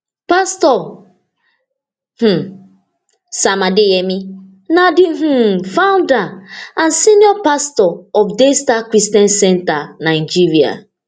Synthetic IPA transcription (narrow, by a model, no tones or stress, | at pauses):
pastɔ | h̩ | samadɪjemi | nadɪɦ̩faʊndaãnsinjɔpastɔɔfdestakɾistiɔ̃nsɛntanaɪd͡ʒiɾia̰